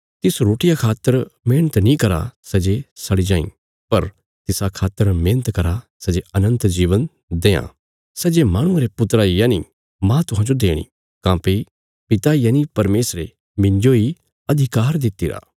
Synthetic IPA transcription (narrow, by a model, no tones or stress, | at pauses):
t̪ɪsɾoːʈɪjakʰaːt̪ːəɾmẽːñət̪nĩkɐɾa̰sɛd͡ʒesɐɽid͡ʒãːḭ̃ | pɐɾ | t̪ɪsakʰaːt̪ːəɾmẽːñət̪kɐɾasɐd͡ʒeɐnə̃nt̪d͡ʒiːʋən | d̪eːã̰ | sɛd͡ʒemaːɽ̃ʊ̃aɾepʊt̪ɾajaːni | mãt̪ʊɦãːd͡ʒod̪eːɽ̃ḭ | kãːpe | pɪt̪ajaːnipɐɾmeːsɾe | mɪ̃ɲd͡ʒoi | ɐd̪ʱɪkaːɾd̪ɪt̪ːiːɾa̰ː